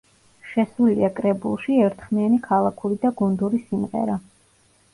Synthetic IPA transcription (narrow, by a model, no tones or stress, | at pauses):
ʃɛsulḭakʼɾɛbṵlˠʃiɛɾt̪ʰχmianikʰalˠakʰuɾid̪aɡɔnd̪uɾisimʁɛ̰ɾa